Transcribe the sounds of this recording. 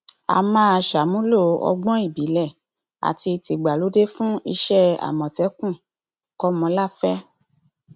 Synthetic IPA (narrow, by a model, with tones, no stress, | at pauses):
a̰˨mãː˦a˧˨ʃa˨mũ˦lo˦˨˦ɔ̰˧ɡ͡bɔ̃˦i˦˨bi˨˦lɛ˦˨ | a̰˨ti˧ti˨ɡ͡ba˨lo˨˦de˦fũ˦i˧ʃɛ˦a̰˨mɔ̃˨tɛ˨˦kũ˦˨ | kɔ˦mɔ̃˨˧˦la˦˨fɛ˦